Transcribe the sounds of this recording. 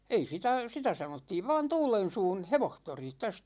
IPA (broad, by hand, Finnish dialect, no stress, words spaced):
ei sitæ sitæ sɑnotːiːʋ ʋɑn tuːlen̞suːn̞ heʋohtori tæs